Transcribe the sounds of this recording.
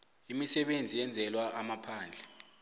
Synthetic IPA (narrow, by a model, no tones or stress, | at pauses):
imisɛɓend͡zʱijɛnd͡zʱɛlwaamapʰaːnd͡ɮʱɛ